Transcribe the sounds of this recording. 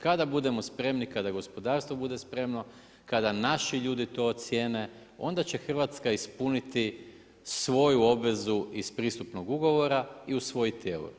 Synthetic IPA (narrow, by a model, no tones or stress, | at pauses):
kad̪abud̪e̞mo̞spɾe̞mnikad̪aɡo̞spo̞d̪aːɾst̪ʋo̞bud̪e̞spɾe̞mno̞ | kad̪anaʃiʎuːd̪it̪o̞ːt̪sje̞ːne̞ | o̞nd̪at͡ɕe̞xr̩ʋat̪skaispunit̪i | sʋo̞juo̞bʋe̞zuispɾiːst̪upno̞ɡuɡo̞ʋo̞ɾaiusʋo̞jit̪jelṵ